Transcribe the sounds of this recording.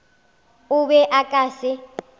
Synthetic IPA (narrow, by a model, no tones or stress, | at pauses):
uɓɛʔakʼaːsɪ